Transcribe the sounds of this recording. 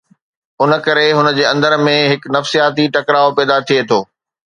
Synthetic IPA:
ʊnə̆kɐɾeɦʊnəd͡ʑeːɐ̃nd̪əɾmẽɦɪknɐfsijaːt̪iʈɐkɾaːopɛːd̪at̪ʰiet̪ʰoː

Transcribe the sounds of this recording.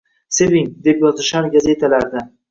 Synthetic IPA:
se̞viŋd̪e̞pjɒzɪʃaɾɡʲaze̞t̪ʰalaɾd̪a

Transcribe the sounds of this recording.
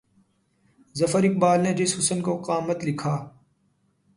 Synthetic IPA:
zɐfəɾɪk̚baːlned͡ʒɪshʊsənkoqaːmət̪lɪkʰaː

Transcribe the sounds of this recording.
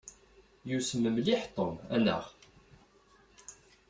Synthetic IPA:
jusəmːəmliħt̪ˤːomænə̰ʁ

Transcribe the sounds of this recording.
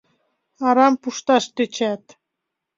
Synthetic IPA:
ɑɾɑmpuʃt̪ɑʃt̪øt͡ɕæt̪

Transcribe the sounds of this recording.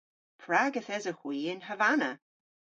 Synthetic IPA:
pʰɹaɡəθɛzəxw̥iːɪnɦəvanə

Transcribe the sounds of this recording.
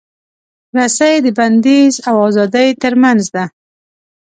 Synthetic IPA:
ɾasajd̪əband̪ezawɑzɑd̪ajt̪əɾmanzd̪a

